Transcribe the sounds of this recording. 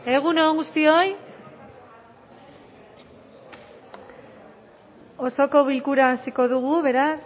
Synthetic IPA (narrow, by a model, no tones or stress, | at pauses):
e̞ɣ̞unoŋɡust̪io̞j | o̞so̞ko̞β̞ilkuɾaːsiko̞ðuɣuβe̞ɾas